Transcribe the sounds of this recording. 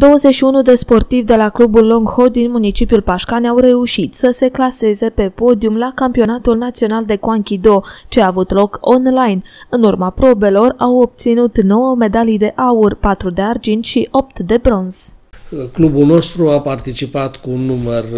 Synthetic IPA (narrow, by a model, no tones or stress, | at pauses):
d̪o̞wəze̞ʃiunud̪e̞spo̞rt̪ivd̪e̞laklubulːoŋɡhod̪inmunit͡ʃipiulpaʃkanʲawre̞uʃit̪səse̞klase̞ze̞pe̞po̞d̪iumlakampio̞nat̪ulnat̪sio̞nald̪e̞kuaŋkʲid̪o̞t͡ʃeaːvut̪lo̞ko̞nlajnɨnurmapɾo̞be̞lo̞rawo̞b̚t̪sinut̪no̞wəme̞d̪alijd̪e̞ʔaurʲpat̪ɾud̪e̞ard͡ʒint̪ʃiʔo̞p̚t̪d̪e̞bɾo̞nz̥klubulno̞st̪ɾuapart̪it͡ʃipat̪kuːnːumər